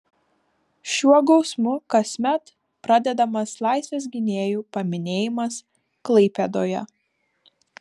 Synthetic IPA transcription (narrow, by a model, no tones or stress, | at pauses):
ʃʲuɔɡɒʊsmʊkɐsʲmʲɛt̪ | pɾɑd̪ʲɛd̪ɐmɐslˠɑˑɪsʲʋʲeːs̬ɡʲɪnʲeːjuːpɐmʲɪnʲeːjɪmɐs | klˠɐɪpʲɛd̪oːjɛ̰